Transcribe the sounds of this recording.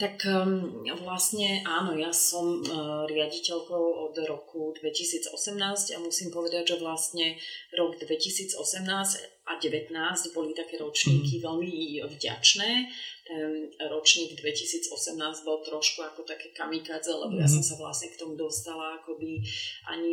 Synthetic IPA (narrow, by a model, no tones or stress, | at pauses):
t̪ak | ʋlasɲɛʔaːnɔjasɔmɾɪaɟicɛʎkɔʊɔd̪ɾɔkʰud̪ʋɛcisiːd͡zɔ̰sɛmnaːscamusiːmpɔʋɛd̪aɟʒɛʋlast̪ɲɛɾɔɡd̪ʋɛcisiːd͡zɔsɛmnaːsc | a̰ɟɛʋɛt̪naːzɟbɔlit̪akɛːɾɔt͡ʃɲiːkiʋɛʎmivɟa̰t͡ʃnɛːtt̪ɛnɾɔt͡ʃɲiːɡd̪ʋɛcisiːd͡zɔsɛmnaːzɟbɔlt̪ɾɔʃkuakɔt̪akɛːkamikaːd͡zɛlɛ̰bɔjas̬ɔmsaʋla̰sɲɛkt̪ɔmud̪ɔst̪alaakɔbiʔa̰ɲi